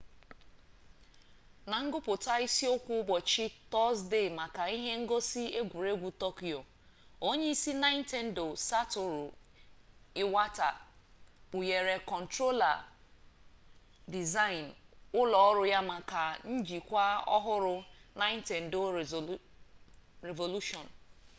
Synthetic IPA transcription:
na˨ŋ̩˦ɡʊ˦pʊ˨ta˦i˦si˦ʊ˦kʷʊ˦bɔ˨t͡ʃi˦tɔ˦zde˦˨ma˨ka˨i˦ɦe˦ŋ̩˦ɡo˦si˦e˦ɡʷu˨ɾe˦ɡʷu˨tɔ˦ki˨o˨ | o˦ɲe˦i˦si˦na˦ɪ˦n̩˦te˦n̩˦do˨sa˦tʊ˦ɾʊ˨ | ɪ˦wa˦ta̰˨ | u˨je˨ɾe˨kɔ˨n̩˨tɾo˦la̰˨ | di˨za˦ɪ˨n˨ʊ˦lɔ˨ɔ˦ɾʊ˦ja˦ma˨ka˨n̩˦d͡ʒi˨kʷa˦ɔ̰˦ɦʊ˦ɾʊ˦na˦ɪ˦n˦te˨n̩˨do˦˨ | ɾe˨vo˨lu˦ʃɔ˨n̩˨

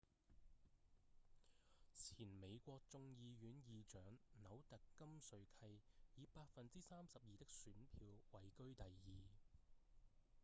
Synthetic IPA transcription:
t͡sʰiː˨˩nme˨˧jkʷɔː˧k̚t͡sʊ˧ŋjiː˧ɥyː˨˧njiː˨˧t͡ʃœː˨˥ŋnɐ˨˥wt̪ɐ˨kːɐ˥msɵ˨˧ɥkʰɐ˧jjiː˨˧paː˧t̚fɐ˨nt͡siː˥saː˥msɐ˨p̚jiː˨t̪ɪ˥k̚syː˨˥npʰiː˧wwɐ˨˩jkɵ˥ɥt̪ɐ˨jjiː˨

